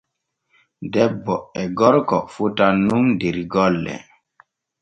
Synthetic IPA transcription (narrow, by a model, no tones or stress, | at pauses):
dɛbːɔɛɡɔɾkɔfutanundiɾiɡɔlːɛ̰